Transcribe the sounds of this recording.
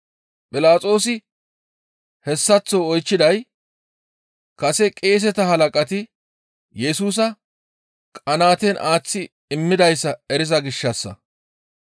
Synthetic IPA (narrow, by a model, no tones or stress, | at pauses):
pʼɪlaːt͡sʼo̞ːsɪ | hɛsːɐt͡sːoɔjt͡ʃːɪd̪ɐj | kɐsɛkʼe̞ːs̬ɛt̪ɐɦɐlɐkʼɐt̪ɪ | jɛsuːs̬ɐ | kʼɐnaːt̪ɛnʔaːt͡sːɪ | ɪmːɪd̪ɐjsːɐɛɾɪzɐɡɪʃːɐsːɐ̰